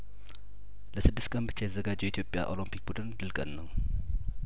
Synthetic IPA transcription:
ləsɨd̪ːɨst̪kʼənbɨt͡ʃːejɛt̪əzːəɡad͡ʒːɛjɛit̪ʰjopʼːja̰ʔo̞limpʰik̚bud̪ɨnd̪ɨlkʼənːəw

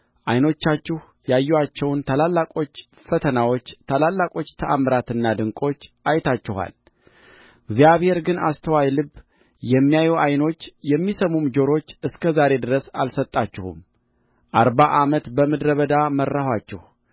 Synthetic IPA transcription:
ʔajno̞t͡ʃːat͡ʃːɪh | jajːɛwat͡ʃːɛwnt̪ʰalalːakʼo̞t͡ʃː | fət̪ʰənawo̞t͡ʃːt̪ʰalalːakʼo̞t͡ʃːt̪ʰəʔamɾat̪ɨnːad̪ɨŋkʼo̞t͡ʃːʔajt̪ʰat͡ʃːɪha̰l | ɡzijaβhe̞ɾɡɨna̰st̪ʰəwajlɨβ | jɛmːijajuʔajno̞t͡ʃːjɛmːisəmumd͡ʒo̞ɾo̞t͡ʃːɨskʰəzaɾe̞d̪ɨɾəsalsət̪ʼːat͡ʃːɪhṵm | ʔaɾbaʔamət̪bəmɨd̪ɾəβəd̪amərːahat͡ʃːɛ̰h

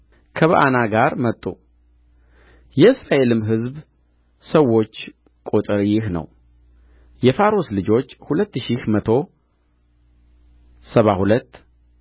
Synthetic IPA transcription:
kʰəβəʔa̰naɡaɾmət̪ʼːṵ | jɛɨsɾaʔe̞lɨmɦɨzb | səwːo̞t͡ʃː | kʼot̪ʼɨɾjɪhnə̰w | jɛfaɾoslɨd͡ʒo̞t͡ʃːhulət̪ːʃihmət̪ʰo̞ | səβahulət̪ː

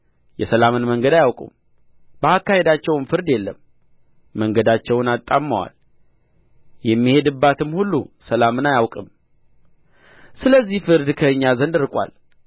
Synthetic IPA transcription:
jɛsəlamɨnməŋɡəd̪ajawkʼṵm | bəakːahe̞d̪at͡ʃːɛwmfɨɾd̪jɛlːəmː | əŋɡəd̪at͡ʃːɛwnat̪ʼːammːawa̰l | jɛmːihe̞d̪ɨbːat̪ɨmhulːusəlamɨnajawkʼɨm | sɨləzːihfɨɾd̪kʰəɨɲːazənd̪ɨɾɨkʼwa̰l

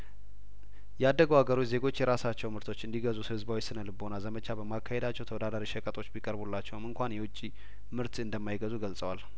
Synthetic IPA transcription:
jɛad̪ːəɡəwaɡəɾo̞t͡ʃːze̞ɡo̞t͡ʃːjɛɾasat͡ʃːɛwmɨɾt̪ʰo̞t͡ʃːɨnd̪iɡəzusɨhɨzbawisɨnəlɨbonalzəmət͡ʃʰabəmakʰːahe̞d̪at͡ʃːɛwt̪ʰəwɔd̪ad̪aɾiʃəkʼət̪ʼo̞t͡ʃːbikʼəɾbulːat͡ʃːɛwmɨŋkʷanjɛwʊt͡ʃʼːi | mɨɾt̪ɨnd̪əmːajɪɡəzuɡəlsʼəwal

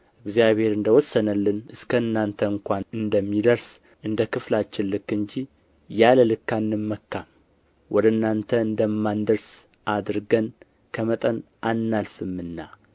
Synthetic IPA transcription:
ʔɨɡzijaβhe̞ɾɨnd̪əwɔsːənəlːɨnɨskʰəɨnːant̪ʰəɨŋkʷanɨnd̪əmːid̪əɾs | ʔɨnd̪əkʰɨflat͡ʃːɪnlːɨkːɨɲd͡ʒi | jaləlɨkːanːɨmːəkːam | wʔɔd̪əɨnːant̪ʰəɨnd̪əmːand̪əɾs | ʔad̪ɾɡən | kʰəmət̪ʼən | ʔanːalfɨmːɨnːa

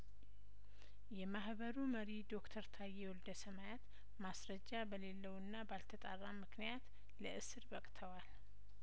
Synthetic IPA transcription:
jɛmahbəɾuməɾid̪o̞kt̪ʰəɾt̪ʰajɛwɔld̪əsəmajat̪ | masɾəd͡ʒːabəle̞lːəwɨnːabalt̪ʰət̪ʼa̰rːamɨknijat̪ | ləʔɨsɨɾbəkʼt̪ʰəwal

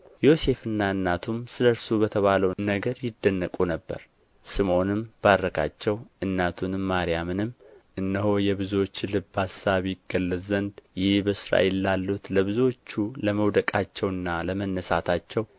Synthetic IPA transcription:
jo̞se̞fɨnːaɨnːat̪ʰumsɨləɾsubət̪ʰəβaləwnəɡəɾjɪd̪ːənːəkʼunəbːə̰ɾ | sɨmo̞nɨmb̥aɾːəkʰa̰t͡ʃːɛwʔɨnːat̪ʰunmːaɾijamɨnɨmʔɨnːəɦojɛβɨzo̞t͡ʃːlɨbasaβjɪɡːəlːəzənd̪jɪhbəɨsɾa̰ʔelːalːut̪ləβɨzo̞t͡ʃːuləməwd̪əkʼat͡ʃːɛwɨnːaləmənːəsat̪ʰat͡ʃːɛw

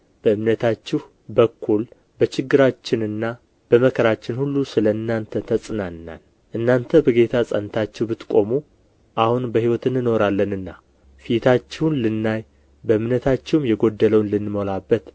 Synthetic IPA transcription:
b̥əɨmnət̪ʰat͡ʃːɪh | bəkʰːul | bət͡ʃɪɡːɨɾat͡ʃːɪnɨnːa | b̥əməkʰəɾat͡ʃːɪnhulːusɨləɨnːant̪ʰət̪ʰəsʼɨnanːa̰n | ʔɨnːant̪ʰəbəɡe̞t̪ʰasʼənt̪ʰat͡ʃːɛhbɨt̪kʼo̞mu | ʔahunbəhiwɔt̪ʰɨnːɨno̞ɾalːənɨnːa | fit̪ʰat͡ʃːɛwunlɨnːaj | bəɨmnət̪ʰat͡ʃːɛwmjɛɡo̞d̪ːələwnlɨnːmolabːət̪

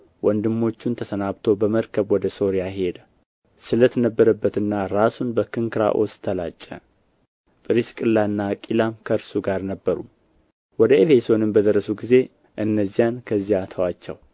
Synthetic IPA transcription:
wʔɔnd̪ɨmːo̞t͡ʃːunt̪ʰəsənaβt̪ʰo̞bəməɾkʰəβwɔd̪əso̞ɾijahe̞d̪ə | sɨlət̪nəbːəɾəbːət̪ɨnːaɾasunbəkɨŋkɨɾa̰ʔo̞̰st̪ʰəla̰t͡ʃʼːɛ̰ | pʼɨɾiskʼɨlːanːakʼilamkʰəɨɾsuɡaɾnəbːəɾṵ | wɔd̪əefe̞so̞nɨmbəd̪əɾːəsuɡize̞ | ʔɨnːəzːijankʰəzːijat̪ʰəwat͡ʃːɛ̰w

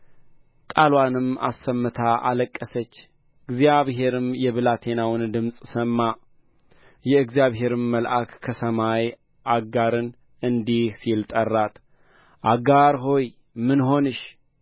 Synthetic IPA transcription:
kʼalwanɨma̰sːəmːɨt̪ʰaʔa̰ləkʼːəsət͡ʃː | ɨɡzijaβɦe̞ɾɨmjɛβɨlat̪ʰe̞nawnd̪ɨmsʼsəmːa | jɛɨɡzijaβɦe̞ɾɨmːəlʔakkʰəsəmaj | ʔaɡaɾɨn | ɨnd̪ihsilt̪ʼərːat̪ | ʔaɡaɾɦo̞j | mɨnɦo̞nɨʃ

